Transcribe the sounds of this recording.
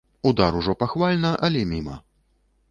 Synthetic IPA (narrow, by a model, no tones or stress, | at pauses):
ud̪aɾuʐɔpaxvalʲnɐʔɐlʲɛmʲimɐ̰